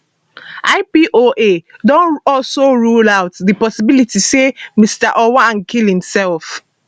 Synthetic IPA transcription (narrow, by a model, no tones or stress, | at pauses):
ʔaɪpiʔoʔedɔ̃nɔlsoɹulawtðipɔsibilitisemistaʔɔwaãnkʰilhĩmsɛlf